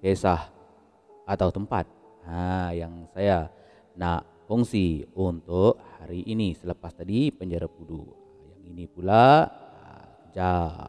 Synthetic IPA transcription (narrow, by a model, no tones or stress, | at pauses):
kesah | at̪awt̪əmpa̰t̪̚ | hajaŋsaja | naʔ | fuŋsiunt̪ʊʔhaɾiʔinisələpast̪adipəɲd͡ʒaɾapudu | jaŋinipula | d͡ʒa